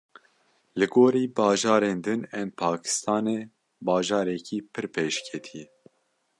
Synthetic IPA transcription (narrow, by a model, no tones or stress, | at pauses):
lɨɡoːɾiːbɑːʒɑːɾeːnd̪ɨnɛmpʰɑːkʰɨ̥st̪ɑːneː | bɑːʒɑːɾɛkʰiːpʰɨɾpʰeːʃkʰɛt̪ʰijɛ